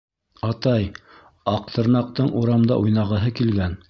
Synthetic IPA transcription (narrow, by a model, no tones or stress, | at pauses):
ɑt̪ɑj | ɑq̚t̪ɤ̆ɾnɑq̚t̪ɤɴʔuɾɑmd̪ɑ̰ʔujnɑʁɤ̆ɦɤkilɡæn